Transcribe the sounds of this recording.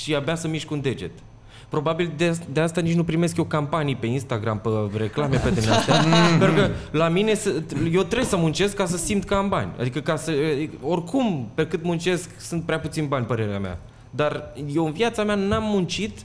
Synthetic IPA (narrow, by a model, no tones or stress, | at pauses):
ʃiabasəmiʃkund̪e̞d͡ʒe̞̰t̪ | pɾo̞babild̪ed̪east̪anit͡ʃnupɾime̞skje̞wkampanijepe̞inst̪aɡɾampəɾe̞klameped̪emnast̪aenɾukəlamine̞səjewt̪ɾebsəmunt͡ʃe̞skːasəsimt̪kəamba̰nʲa̰d̪ikəkasəo̞rkʰumpe̞kɨnt̪munt͡ʃe̞sksunt̪̚pɾeaput̪sinbanʲpəɾe̞ɾea̰mea̰ | d̪arjewɨnviat̪sameanamːunt͡ʃit̪